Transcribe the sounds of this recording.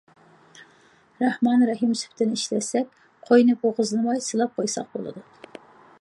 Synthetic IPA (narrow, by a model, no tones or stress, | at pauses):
ɾɑhmɑnɾɛɦimsy̥pʰt̪ʰɪnɪiʃlɛsɛkʲ | qʰɑjnɨpoʁəzɨnɨmɑjsɨlˠɑp̚qʰɑjsɑ̰q̚bo̰lˠɨ̰d̪u